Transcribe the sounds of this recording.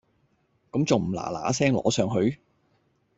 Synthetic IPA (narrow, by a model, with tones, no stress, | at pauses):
kɐ˨˥mt͡sʊ˨wm̩˨˩la̰ː˨˩la̰ː˨˥sɛː˥ŋlɔ̰ː˨˥sœː˨ŋɦɵ˧ɥ